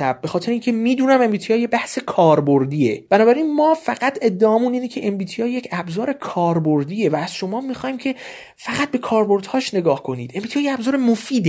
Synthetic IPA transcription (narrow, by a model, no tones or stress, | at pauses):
æ̰b̚ːe̞xɒːt̪ʰeɾeiːncʰe̞miːd̪uːnæme̞mbiːt̪ʰijɒːjebæhse̞kʰɒːɾboɾd̪iːe̞b̥ænɒːbæɾiːnmɒːfæɡæt̪ʰe̞d̪ːeʔɒːmuːniːnecʰe̞ʔembiːt̪ʰijɒːje̞cʰæbzɒːɾe̞kʰɒːɾboɾd̪iːe̞væːz̥ʃo̞mɒːmixɒːjimcʰe̞ | fæɣæt̪̚be̞kʰɒːɾbo̞ɾd̪hɒːʃne̞ɡɒːhkʰo̞niːd̪̥ʔembit̪ʰijɒːjeæbzɒːɾemofiːd̪e